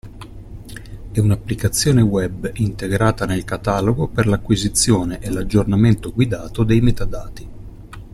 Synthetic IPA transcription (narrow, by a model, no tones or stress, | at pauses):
ɛunapːlikat̪sːjoːnewɛbint̪eɡɾaːt̪anelkat̪aːloɡoperlakːwizit̪sːjoːneʔelad͡ʒːornament̪oɡwid̪aːt̪od̪ejmet̪ad̪aːt̪i